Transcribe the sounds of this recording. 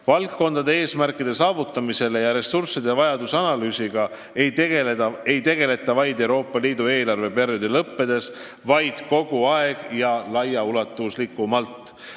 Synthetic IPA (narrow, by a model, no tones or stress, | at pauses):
vɑlkːo̞nd̪̥ɑd̪e̞e̞ːsmæɾkːˑid̪̥e̞sɑːvut̪ːˑɑmise̞le̞jɑɾe̞sursid̪̥e̞vɑjɑd̪usɑnɑlyːsiɡ̥ɑ | ej̪eeɑe̞jt̪e̞ɡ̥e̞le̞t̪ːˑɑvɑjd̪ewɾo̞ːpːˑɑliːd̪ue̞ːlɑrve̞perjod̪̥elɤpːe̞d̪̥e̞s | vɑjd̪̥ko̞ɡ̥uɑeɡ̥jɑlɑjːɑulɑt̪ːˑuslikːˑumɑlt̪ːˑ